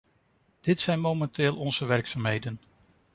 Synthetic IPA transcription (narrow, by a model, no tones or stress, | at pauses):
d̥ɪtsɛjnmowmɛntɪːlˠɔnz̥əʋɛɹksamɦejdən